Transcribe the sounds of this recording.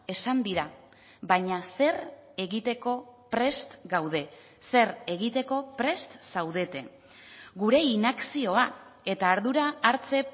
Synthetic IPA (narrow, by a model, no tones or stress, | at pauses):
e̞sand̪iɾa | βaɲase̞re̞ɣit̪e̞ko̞pɾe̞st̪ɡawðe̞ | se̞ɾe̞ɣit̪e̞ko̞pɾe̞st̪sawðe̞t̪e̞̰ | ɡuɾe̞inaksio̞ae̞t̪aːɾðuɾaːɾt͡se̞